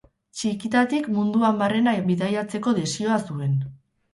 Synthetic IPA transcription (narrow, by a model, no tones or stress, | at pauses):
t͡ʃikit̪at̪ikmund̪uambare̞naβiðajat͡se̞ko̞ðesio̞asue̞n